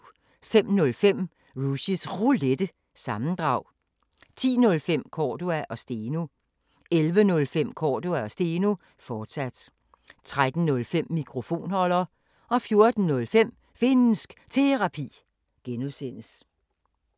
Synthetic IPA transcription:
fem̰nɔ̽lfem̰ | ʁuɕisʁuled̥ə | sɑ̈mn̩d̥ʁɑ̈ʊ̰ | t͡sʰḭːnɔ̽lfem̰kʰɒːduæʔɒ̽sd̥e̝ːno̝ | elʋənɔ̽lfem̰kʰɒːduæɒ̽sd̥e̝ːno | fɒːd̥sæd̥ | t͡sʰʁad̥n̩nɔ̽lfem̰ːikʰʁo̝fo̝̰ːnhɒ̽lɐː | ɒ̽fjo̝ɐd̥n̩ːnɔ̽lfem̰ | fe̝nn̩sɡ̥t͡sʰe̝ʁɑ̈pʰḭː | ɡ̥enusen̰əs

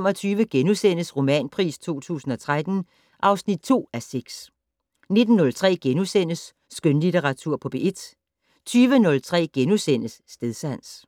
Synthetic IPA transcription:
mɒ̽t͡sʰyːʋəɡ̥enusen̰əsʁo̝mɛ̰ːnpʰʁḭːst͡sʰo̝̰ːt͡sʰṵːsn̩ɒ̽t͡sʰʁad̥n̩ | ʔɑ̈ʊsnid̥̚t͡sʰo̝̰ːæseɡ̥s | ne̝d̥n̩ːɔ̽lt͡sʰʁɛ̰ːɡ̥enusen̰əsː | ɡ̥ønlit͡sʰeʁɑ̈t͡sʰuɐ̰pʰɒ̽b̥e̝ʔe̝d̥ | t͡sʰyːʋənɔ̽lt͡sʰʁɛ̰ːɡ̥enusen̰əsːd̥eðˠsæn̰s

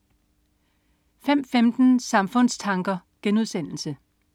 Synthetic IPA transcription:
fem̰femd̥n̩sɑ̈mfɔ̽n̰st͡sʰɑ̈ŋɡ̥ɐɡ̥enuð̞ˠsen̰l̩sə

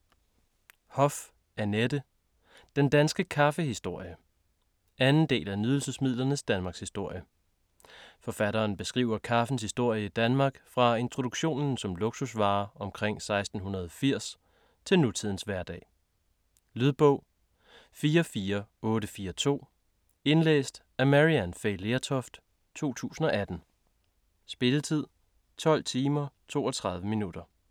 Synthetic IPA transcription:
hɒ̽f | æɐned̥ə | d̥end̥ænsɡ̥əkʰɑfəhisd̥o̝ɐ̰jə | ænn̩d̥e̝̰ːlænyð̞ˠl̩səsmiðˠlɐnəsd̥ænmɑ̈ːɡ̥shisd̥o̝ɐ̰jə | fɒ̽fæɾɐːnb̥e̝sɡ̥ʁḭʊɐkʰɑ̈fən̩shisd̥o̝ɐ̰jəid̥ænmɑ̈ːɡ̥fʁɑ̈e̝nt͡sʰʁo̝d̥uɡ̥ɕo̝̰ːnn̩sɒ̽mloɡ̥susʋɑ̈ːɒ̽mkʰʁeŋ̰sɑ̈ɪsd̥n̩ɦunɐð̞ˠɒ̽fiɐ̰s | t͡sʰe̝lnut͡sʰið̞̰ˠn̩sʋæɐd̥ɛ̰ː | lyðˠb̥ɔ̽ʊ̰ | fiːɐfiːɐɔ̽ːɾəfiːɐt͡sʰo̝̰ː | e̝nlḛːsd̥ | æɐmæʁiænfeɪleæt͡sʰɒfd̥ | t͡sʰo̝̰ːt͡sʰṵːsn̩ɒ̽ʔæd̥n̩ | sb̥e̝lət͡sʰið̞̰ˠ | t͡sʰɒ̽l̰t͡sʰiːmɐt͡sʰo̝̰ːɒt͡sʰʁɑ̈ðˠʋəminud̥ɐ

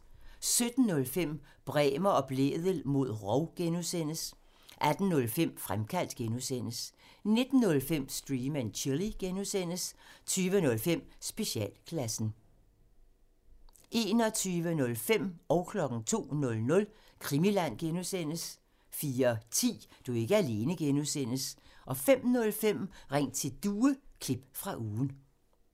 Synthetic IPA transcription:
sød̥n̩ːɔ̽lfem̰ | b̥ʁɛːmɐɒ̽b̥le̝̰ðˠəl̩mo̝ð̞̰ˠʁɒʊɡ̥enusen̰əs | ʔæd̥n̩ːɔ̽lfem̰fʁamkʰæl̰d̥ɡ̥enusen̰əs | ne̝d̥n̩ːɔ̽lfem̰sd̥ʁiːmænt͡ɕʰiliɡ̥enusen̰əst͡sʰyːʋənɔ̽lfem̰sb̥e̝ɕiɛ̰ːlkʰlæsn̩ | e̝ːnɒ̽t͡sʰyːʋənɔ̽lfem̰ɒʊkʰlɒ̽ɡ̥n̩t͡sʰo̝̰ːnɔ̽lnɔ̽l | kʰʁimilæn̰ɡ̥enusen̰əs | fiːɐt͡sʰḭːd̥ue̝ɡ̥əæle̝ːnəɡ̥enusen̰əsʔɒ̽fem̰nɔ̽lfem̰ʁeŋ̰̥t͡sʰe̝d̥uːəkʰlib̥fʁɑ̈ʔuːn̩

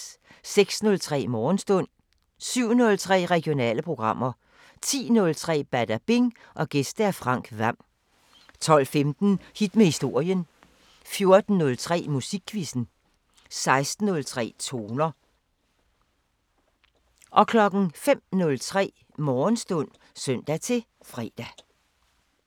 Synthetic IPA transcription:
seɡ̥snɔ̽lt͡sʰʁɛ̰ːmɒːn̩sd̥ɔ̽n̰ | syʊ̰nɔ̽lt͡sʰʁɛ̰ːʁɛɡ̥ijo̝nɛ̰ːləpʰʁo̝ɡ̥ʁɑ̈m̰ɐ | t͡sʰḭːnɔ̽lt͡sʰʁɛ̰ːb̥æd̥æb̥eŋ | ʔɒ̽ɡ̥esd̥əæɐfʁɑ̈ŋ̰ɡ̥ʋæm̰ | t͡sʰɒ̽l̰femd̥n̩hid̥mehisd̥o̝ɐ̰jən | fjo̝ɐd̥n̩ːɔ̽lt͡sʰʁɛ̰ːmusiɡ̥ʰʋisn̩ | sɑ̈ɪsd̥n̩ɔ̽lt͡sʰʁɛ̰ːt͡sʰo̝ːnɐ | ʔɒ̽kʰlɒ̽ɡ̥n̩fem̰nɔ̽lt͡sʰʁɛ̰ː | mɒːnsd̥ɔ̽n̰ | sœn̰d̥æt͡sʰe̝ | fʁɛːd̥æ

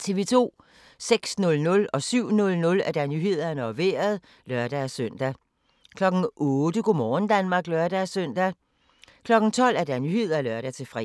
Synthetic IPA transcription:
t͡sʰe̝ʋe̝ːt͡sʰo̝̰ː | seɡ̥snɔ̽lnɔ̽lɒ̽syʊ̰nɔ̽lnɔ̽læɐd̥ænyhe̝ð̞̰ˠɐnəɒʋe̝̰ːɐð̞ˠ | lɶɐ̰d̥æsøn̰d̥æ | kʰlɒ̽ɡ̥n̩ɔːd̥əɡ̥omɒːn̩d̥ænmɑ̈ːɡ̥lɶɐd̥ææsøn̰d̥æ | kʰlɒ̽ɡ̥n̩t͡sʰɒ̽l̰æɐd̥ænyhe̝ð̞̰ˠɐlɶɐɾ̥æt͡sʰe̝fʁɛ̰

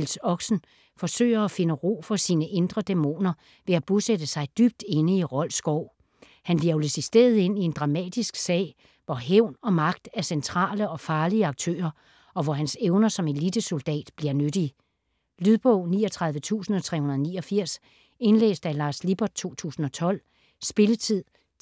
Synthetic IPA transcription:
ilsɒ̽ɡ̥sn̩ | fɒ̽sø̰ːɪɐæfe̝nəʁo̝̰ːfɒ̽siːnəʔe̝nd̥ʁɐd̥emo̝̰ːnɐ | ʋe̝æb̥osed̥əsɑ̈ɪd̥yb̥̚d̥e̝nəiʁɒ̽l̰sɡ̥ɒʊ̰ | hænʋiɐləsisd̥e̝̰ːɐð̩ˠe̝n̰ie̝nd̥ʁɑ̈mɛ̰ːd̥isɡ̥sɛ̰ːɪ | ʋɒɦeʊ̰nɒ̽mɑ̈ɡ̥̚d̥æɐsent͡sʰʁɑ̰̈ːləɒ̽fɑ̈ːliəɑ̈ɡ̥̚t͡sʰø̰ːɐ | ɒ̽ʋɒɦænseʊnɐsɒ̽me̝lid̥əso̝ld̥ɛ̰ːd̥b̥liɐnøɾ̥i | lyðˠb̥ɔʊ̰nḭːɒt͡sʰʁɑ̈ð̞ˠʋət͡sʰṵːsn̩ɒ̽t͡sʰʁɛ̰ːhunɐðˠniːɒfiɐ̰s | e̝nlḛːsd̥ælɑ̈ːslib̥ɒd̥̚t͡sʰo̝̰ːt͡sʰṵːsn̩ɒ̽t͡sʰɒ̽l̰ | sb̥e̝lət͡sʰið̰ˠ

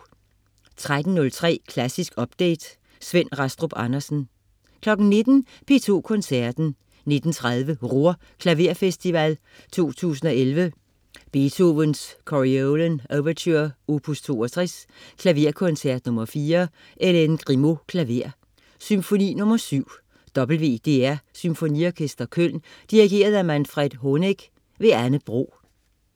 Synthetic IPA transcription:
t͡sʰʁad̥n̩nɔ̽lt͡sʰʁɛ̰ːkʰlæsisɡ̥ɒ̽b̥̚d̥ḛːd̥ | sʋen̰ʁɑsd̥ʁob̥ɑnɐsn̩ | kʰlɒ̽ɡ̥n̩ne̝d̥n̩ | pʰe̝ːt͡sʰo̝̰ːkʰɔ̽nsæɐ̰d̥n̩ | ne̝d̥n̩t͡sʰʁaðˠʋəʁo̝ɐ̰ | kʰlæʋe̝ɐ̰fesd̥iʋæl | t͡sʰo̝̰ːt͡sʰṵːsn̩ɒ̽elʋə | b̥e̝t͡sʰo̝ʋənskʰɒʁiolənæʋɐt͡sʰøɐ̰o̝pʰust͡sʰo̝̰ːɒt͡sʰʁɛskʰlæʋe̝ɐ̰kʰɔ̽nsæɐd̥nɔ̽mɐfiːɐ | ʔelenɡ̥ʁimo̝kʰlæʋe̝ɐ̰ | symfo̝nḭːnɔ̽mɐsyʊ̰ | d̥ɒ̽b̥l̩ʋe̝̰ːd̥e̝̰ːæɐsymfo̝nḭɒkʰesd̥ɐkʰøl̰nd̥iʁiɡ̥e̝̰ːɐð̞ˠæmænfʁɛd̥ɦoneɡ̥ | ʋe̝ænəb̥ʁo̝̰ː

